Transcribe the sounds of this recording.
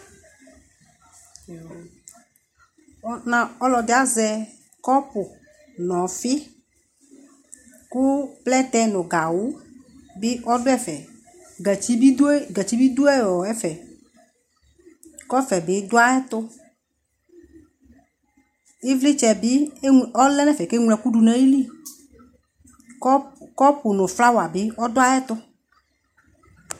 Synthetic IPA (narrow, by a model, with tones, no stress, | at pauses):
nã˨ɔ˦lɔ˨d̪ɪ˨a˦zɛ˨ | kɔ˦pʊ˨ | nɔ̃˨fɪ˦ | kʊ˦plɛ˦t̪ɛ˦nʊ̃˨ɡa˨wʊ˦bɪ˦ʔɔ˦dʊ˦ɛ˦fɛ˨ | i˦i˦ɡɛ˨t͡ɕi˦bi˦d̪ʊ˦ɛ˦˨wɔ˨ɛ˦fɛ˨ | kɔ˦fɛ˨bɪ˦d̪ʊ˦a˦ɛ˦t̪ʊ˦ | e˦vlɪ˦t͡ʃɛ˨bɪ˦ɔ˦lɛ˦nɛ̃˦fɛ˨ke˦ŋlɛ˨ku˦ɖu˨nɛ̃˦e˦li˦ | kɔ˦pʊ˨nʊ̃˨fla˦wa˨be˦ɔ˦d̪ʊ˦a˦ɛ˦t̪ʊ˦